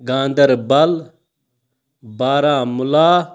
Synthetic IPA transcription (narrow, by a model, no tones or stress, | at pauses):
ɡãːnd̪əɾbɐl | baːɾaːmʊlaː